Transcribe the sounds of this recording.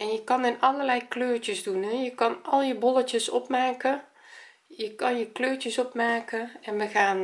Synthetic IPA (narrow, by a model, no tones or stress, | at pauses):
ɛnjəkɑnɪnɔləlɛjkløːrtəzdunɦɛjəkɑnʔɔlˠjəbolətjəsɔpmaːkə | jəkɑnjəkløːrt͡ʃəsɔpmaːkəɛnʋəxaːn